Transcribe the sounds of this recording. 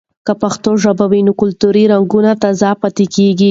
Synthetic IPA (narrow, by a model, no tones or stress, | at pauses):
kəpaxt̪oʒabawinokʊlt̪uɾiɾaŋɡunat̪azɑpat̪ekeɡi